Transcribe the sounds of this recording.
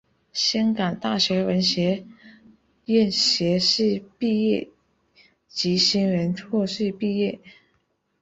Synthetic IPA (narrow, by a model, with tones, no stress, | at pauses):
ɕjɑ˥ŋkɑ˨˩ŋt̪a˥˩ɕɥɛ˧˥wə˧˥nɕjɛ˧˥ | jɛ˥˩nɕjɛ˧˥ʂɻ̩˥˧pi˥˧jɛ˥˩ | t͡ɕi˧˥ɕi˥nɻə˧˥nt͡sʰwɔ˥˧ʂɻ̩˥˧pi˥˧jɛ˥˩